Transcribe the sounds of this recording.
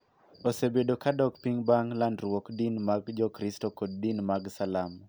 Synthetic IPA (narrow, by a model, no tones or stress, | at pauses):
osebedokadɔkpiŋbaŋlandɾwɔkdinmaɡd͡ʒɔkɾistokɔd̚dinmaɡsalam